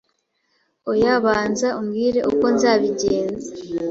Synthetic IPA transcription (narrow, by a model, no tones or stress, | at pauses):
ojaβaːnzaumɡiːɾe̞ʔṵko̞nzaːβiɟeːnza